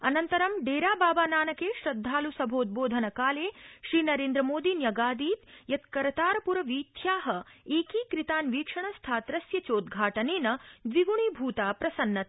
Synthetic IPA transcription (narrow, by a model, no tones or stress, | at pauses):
ɐnɐnt̪ɐɾɐmɖeːɾaːbaːbaːnaːnɐkeːʃɾɐd̪ʱːaːlusɐbʱoːt̪̚boːd̪ʱɐnɐkaːleːʃɾiːnɐɾeːnd̪ɾɐmoːd̪injɐɡaːd̪iːt̪jɐt̪kɐɾɐt̪aːɾɐpuɾɐʋiːt̪ʰjaːɦɐeːkiːkɾit̪aːnʋiːkʂɐɳ̃ɐst̪ʰaːt̪ɾɐsjɐt͡ʃoːd̪ɡʱaːʈɐneːnɐd̪ʋiɡuɳibʱuːt̪aːpɾɐsɐnːɐt̪